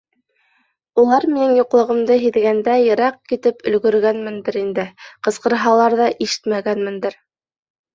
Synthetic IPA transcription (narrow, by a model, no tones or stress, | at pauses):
ulˠɑɾminɘŋjuqlˠɤ̆ʁɤ̆md̪ɤɦiðɡænd̪æjɘ̆ɾɑq̚kit̪ɘpɵ̆lɡɵ̆ɾɡænmɘ̆nd̪ɘɾind̪ɘqɤ̆sqɤ̆ɾɦɑlˠɑɾðɑʔiʃɘ̥t̪mæɡænmɘ̆nd̪ɘɾ